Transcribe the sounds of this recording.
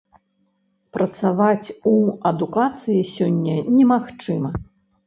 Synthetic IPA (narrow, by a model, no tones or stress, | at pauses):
pɾɐt̪savat͡sʲuɐd̪ukat̪sɨjisʲɔnʲːɐnʲɛmaxt͡ʂɨmɐ